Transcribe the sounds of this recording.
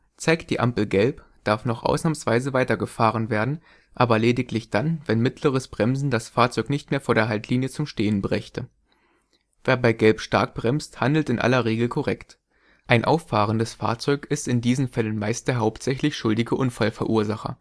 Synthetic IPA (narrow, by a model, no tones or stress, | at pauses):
t͡saɪkt̚d̥iːʔa̰mpl̩ɡɛlp | d̥aɐfnɔχʔa̰ʊsnamənsv̥aɪzəvaɪtɐɡəfaːʁ̞ənveːɐdn̩ | ʔaːbɐleːdɪklɪçd̥anvɛnmɪtʰləʁ̞əsb̥ʁɛmzn̩dasfaːɐt͡sɔʏknɪçtmeːɐfoːɐdeːɐɦaltʰliːnjət͡sʊmʃteːənbʁɛçtʰə | veːɐbaɪɡɛlpʃta̰ɐk̚b̥ʁɛmsthandl̩tɪnʔa̰lɐʁeːɡl̩kʰɔʁɛkt | ʔaɪnʔa̰ʊfaːʁ̞əndəsfa̰ːɐt͡sɔʏkɪstɪndiːzn̩fɛlənmaɪstd̥eːɐɦaʊptz̥ɛçlɪçʃʊldɪɡəʔʊnfalfɛɐʔuːɐzaχɐ̰